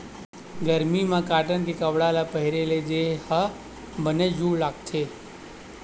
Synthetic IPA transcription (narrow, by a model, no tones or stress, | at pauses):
ɡəɾmimãkaːʈənkekəʋɽalapəɦiɾeled͡ʒehə | bəned͡ʒuːɽlaːɡ̚t͡ʃʰe